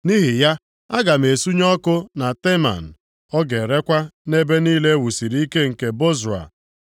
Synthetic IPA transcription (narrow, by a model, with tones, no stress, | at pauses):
ni˦ɦi˨ja˦ | a˦ɡa˨m̩˨e˨su˦ɲɔ˦kʊ˦na˨te˦ma̰˨n̩˨ | ɔ˦ɡe˨ɾe˦kʷa˦ne˦be˦niː˦le˦wu˨si˨ɾi˦i˦ke˦ŋ̩˨ke˨bo˦za̰˨